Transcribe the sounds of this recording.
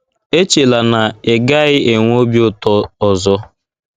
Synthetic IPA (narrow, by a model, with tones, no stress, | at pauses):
e˦t͡ʃe˨la˨na˨e˨ɡa˦ɣɪ˦e˨ŋʷ˦o˦bi˦ʊ˦tɔ˦ɔ˨zɔ˦